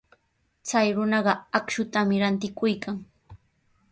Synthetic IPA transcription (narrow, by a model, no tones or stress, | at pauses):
t͡sajɾʊnɑɢɑakʃʊt̪amɪɾant̪ɪkʊjkaŋ